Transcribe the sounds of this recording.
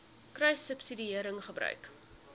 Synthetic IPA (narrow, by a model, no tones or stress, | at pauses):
krœjsəpsidiiəɾəŋχəbɾœ̰ɥk